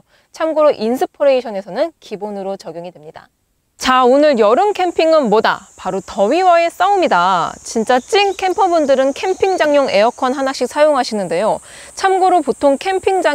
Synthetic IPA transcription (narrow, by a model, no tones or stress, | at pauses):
t͡ɕʰamɡoɾoʔinsʰɯpʰoɾe̞iɕʰʌne̞sʰʌnɯnkibonɯɾot͡ɕʌɡjoŋidwe̞mɲida̰ | t͡ɕaonɯɭjʌɾɯnkʰe̞mpʰiŋɯnmoda̰paɾotʌwiwae̞s͈aumidat͡ɕint͡ɕ͈at͡ɕ͈inkʰe̞mpʰʌbundɯɾɯnkʰe̞mpʰiŋd͡ʑaŋɲoŋe̞ʌkʰʌnɦanak̚ɕ͈ik̚s͈ʰajoŋɦaɕʰinɯnde̞jo | t͡ɕʰamɡoɾopotʰoŋkʰe̞mpʰiŋd͡ʑa